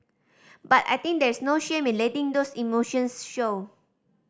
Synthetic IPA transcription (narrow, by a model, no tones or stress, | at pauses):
bata̰jt̪ĩŋk̚dɛɹsnoʃẽmĩnlɛtĩŋdosimoʃə̃nsʃo